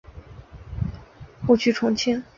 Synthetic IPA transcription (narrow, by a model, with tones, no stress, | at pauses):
kɔ˥˩t͡ɕʰy˥˩ʈ͡ʂʰʊ˧˥ŋt͡ɕʰɛ˥n